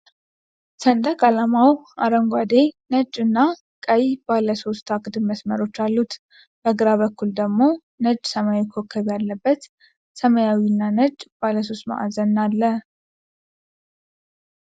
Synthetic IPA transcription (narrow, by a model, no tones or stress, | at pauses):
sənd̪əkʼalamawaɾəŋɡʷad̪enəd͡ʒɨnːa | kʼəjibalːəso̞st̪ʰakʼd̪ɨbməsməɾo̞t͡ʃːalːut̪ | b̥əɡɨɾaβəkːuld̪əɡmo̞ | nəd͡ʒsəmajawikʰokʰːəβjalːəbːət̪ | səməjawinːanəd͡ʒbaləs̬o̞st̪ma̰ʔa̰zənːalːə